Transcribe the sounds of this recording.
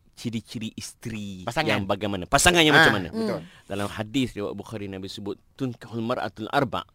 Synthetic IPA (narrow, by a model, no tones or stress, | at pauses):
t͡ʃiɾit͡ʃiɾiʔist̪ɾisajaŋbaɡajmanapasaŋanjamat͡ʃamːana̰ət̪dalamhadiθɾiwa̰ʔbuxaɾinabisəbʊt̪ːunkhulmaɾa̰t̪ulʔa̰rba̰ʔ